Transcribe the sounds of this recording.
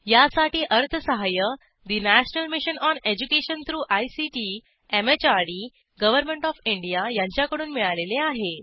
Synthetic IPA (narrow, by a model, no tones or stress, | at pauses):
jasaʈiːʔəɾt̪ʰəsəɦajə | d̪inæɕnəlmiɕənɔned͡ʑukeɕənt̪ɾuːʔajsiʈi | emet͡ɕaɽi | ɡəʋəɾmẽɳʈɔfiɳɖijajaɲt͡ɕjakəɽuːnmiɭaleleaɦe